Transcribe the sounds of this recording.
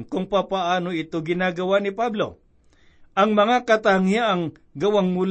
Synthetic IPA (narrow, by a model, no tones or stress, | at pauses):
ŋkʊŋpapaʔaːnoɪt̪oɡɪnaːɡɐwanɪpablo | ʔɐŋmɐŋakɐt̪aaŋjaʔɐŋ | ɡɐwaŋmʊl